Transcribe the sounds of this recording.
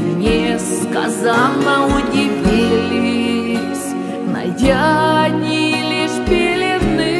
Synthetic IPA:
mnʲeskɐ̰zannəʊdʲɪvʲilʲɪɪ | sʲ | nɐ̰dʲanʲilʲɪʂpʲɪlʲɪd̪nɨ

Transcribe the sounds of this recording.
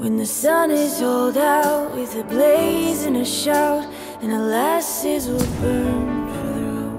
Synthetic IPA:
wɨ̃nðɨsʌ̃nɪz̥hoʊlˠdaʊt̚wɪðɨbleɪzɨ̃nɨʃaʊɾ | ɨ̃nəlæsɪzwɪlˠbɜ̃˞nfə˞ðə˞

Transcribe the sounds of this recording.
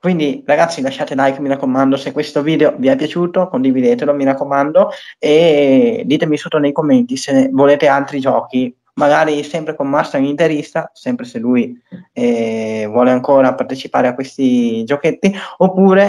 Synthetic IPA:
kwind̪iraɡat̪sːilaʃːaːt̪elajkːmiɾakːomand̪osekːwest̪oviːd̪eoviapːjat͡ʃuːt̪okond̪ivid̪eːt̪elomiɾakːomand̪oed̪iːt̪emisot̪ːonejkomːent̪isenvoleːt̪ealt̪ɾid͡ʒɔːki | maɡaːɾisɛmpɾekommasːaunint̪eɾist̪asɛmpɾeselujɛvwɔːleaŋkoːɾapart̪et͡ʃipa̰ːɾeakwest̪id͡ʒoket̪ːiopːuːɾe

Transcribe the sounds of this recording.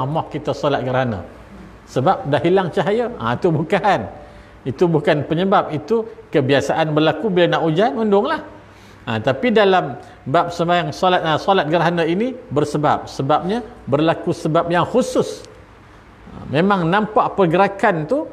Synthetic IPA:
amɔhkit̪əsɔlat̪̚ɡəɾaana̰ | səbap̚daʔɦilaŋt͡ʃaɦajəə̰it̪ubukaʔan | it̪ubukanpəɲəbap̚it̪ukəbiasaʔanbərlakubilanaʔud͡ʒanundʊŋlah | ət̪apidalam | bap̚səmajaŋsɔlat̪̚əsɔlat̪̚ɡəɾaɦanəinibərsəba̰p̚səbap̚ɲabərlakusəbap̚jaŋxusʊs | ə̰memaŋnampaʔpərɡəɾakant̪u

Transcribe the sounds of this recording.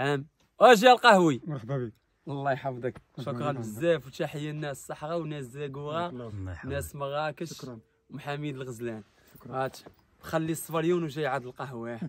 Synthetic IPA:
ʕæm | æʒiælqɑhwi | lˤːɑjħɑfd̪ˤəkʃʊkɾˤɑnbəzːæfwt̪æħəjːænːæssˤːɑħʁɑwnæszæɡuɾɑnæsməɣɑkəʃ | wmħamid̪əlɣəzlæn | æt̪ | bxælːisˤfɑljunwʒæjʕad̪əlqɑhwæ

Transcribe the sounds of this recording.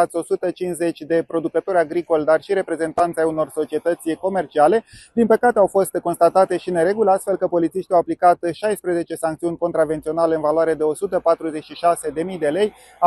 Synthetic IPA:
at̪sʲo̞sut̪ət͡ʃinze̞t͡ʃʲd̪e̞pɾo̞d̪ukət̪o̞ɾʲaɡɾiko̞lʲd̪arʃiɾe̞pɾe̞ze̞nt̪ant̪sʲajuno̞rso̞t͡ʃie̞t̪ət̪sʲko̞me̞rt͡ʃiale̞d̪̥inpəkat̪e̞awfo̞st̪ko̞nst̪at̪at̪e̞ʃine̞ɾe̞ɡuləast̪fe̞lkəpo̞lit̪siʃt̪iawaplikat̪ʃajspɾeze̞t͡ʃe̞saŋkt̪siunʲko̞nt̪ɾavent̪sio̞nale̞ɨnvaloaɾed̪e̞o̞sut̪əpat̪ɾuze̞t͡ʃʃiʃase̞d̪e̞mijd̪e̞le̞j | a

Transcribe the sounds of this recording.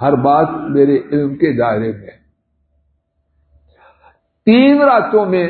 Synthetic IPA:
ɦɐɾbaːt̪meːɾeʔɪlmkeɪd̪aːɪɾemẽː | t̪iːnɾaːt̪õmẽ

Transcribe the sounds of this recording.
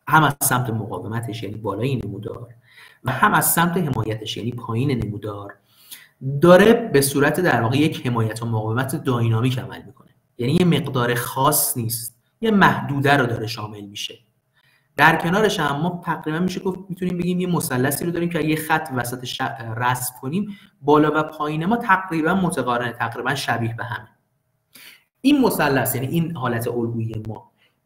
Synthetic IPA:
hæmæz̥sæmt̪ʰemoɣɒ̰ːvemæt̪ʰe̞ʃjæniːbɒːlɒːjenemuːd̪ɒ̰ːɾ | væhæmæz̥sæmt̪ʰe̞ɦe̞mɒːjæt̪ʰe̞ʃjæ̰niːpʰɒːjiːnenemud̪ɒːɾ | d̪ɒːɾebe̞suːɾæt̪ʰed̪æɾvɒːɣejeche̞mɒːjæt̪ʰomoɣɒːvemæt̪ʰed̪ɒːinɒːmiːcʰæmæ̰lmiːkʰo̞ne̞ | jænijeme̞ɣd̪ɒːɾexɒːsniːst̪ | jemæhd̪uːd̪æɾod̪ɒːɾe̞ʃɒːme̞lmiʃe̞ | d̪̥æɾcʰe̞nɒːɾe̞ʃæmːɒːt̪ʰæɣɾiːbænmiʃeɡofmiːt̪ʰuniːmbe̞ɟiːmjemo̞sælːæsiːɾod̪ɒːɾiːmcʰejexæt̪ʰːvæsæt̪ʰeʃæræskʰo̞niːmbɒːlɒːvæpʰɒːjiːne̞mɒːt̪ʰæɡɾiːbænmot̪ʰeɣɒrenet̪ʰæɣɾiːbænʃæbiːhbe̞ɦæme | ʔiːnmo̞sælːæsjæniʔiːnhɒːlæt̪ʰe̞ʔolɡuːjijemɒː

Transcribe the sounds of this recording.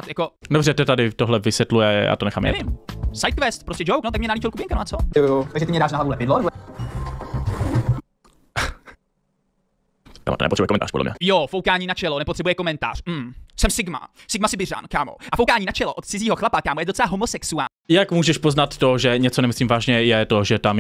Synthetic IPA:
t̪jakodobrɛt̪ɛt̪adɪt̪oɦlɛvɪsjɛt̪lujɛja̰ːt̪onɛxa̰ːmjɛ̰ɛvɪmsajt̪̚kvɛst̪̚pɾoscʲɛd͡ʒowknot̪akmɲɛnaliːt͡ʃɪlkupjɪŋkanoʔat͡sooot̪aɡʒɛt̪ɪmɲɛdaːʃnaɦlavulɛpɪdlonɛbo | ɛ̰ma̰t̪onɛpot̪ɾ̥ɛbujɛkomɛnt̪aːɾpo̰dlɛ̰mɲɛ̰jofowkaːɲiːnat͡ʃɛlonɛpot̪r̥ɛbujɛko̞mɛnt̪a̰ːr̥m̩ːsɛmsɪɡma̰sɪɡmasɪbɪra̰nkaːmo̰ʔafowkaːɲiːnat͡ʃɛloʔot̪̚t͡sɪziːɦoxlapakaːmojɛdot͡sɛlaɦomosɛksuaːɲjakmuːʒɛʃpoznat̪ːoʒɛɲɛt͡sonɛmɪsliːmvaːʒɲɛjɛt̪oʒɛt̪am

